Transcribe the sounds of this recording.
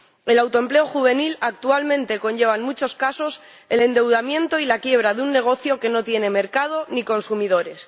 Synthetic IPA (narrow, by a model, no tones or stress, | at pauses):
e̞lawt̪o̞emple̞oxuβ̞e̞nilak̚t̪ualmẽ̞nt̪e̞ko̞ɲʝe̞β̞anmut͡ʃo̞skaso̞s | e̞le̞nd̪e̞wðamjẽ̞nt̪o̞ilakje̞β̞ɾaðunːe̞ɣ̞o̞θjo̞ke̞no̞t̪je̞ne̞me̞ɾkað̞o̞niko̞nsumiðo̞ɾe̞s